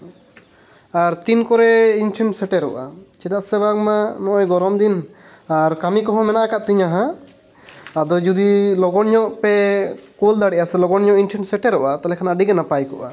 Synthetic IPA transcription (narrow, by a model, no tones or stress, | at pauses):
aɾt̪inkɔɾɛinʈʰɛɳsɛʈɛɾɔʔa̰t͡ʃid̪aʔsɛbakmanɔʔɔjɡɔɾɔmd̪in | aɾkamikɔɦɔ̃mɛnaʔakaʔt̪iɲaɦã | ad̪ɔd͡ʒud̪ilɔɡɔnɲɔʔpɛkɔld̪aɽɛʔjasɛlɔɡɔɲɔʔinʈʰɛɳsɛʈɛɾɔʔat̪alɛkʰanaɖiɡɛnapajkɔ̰ʔa̰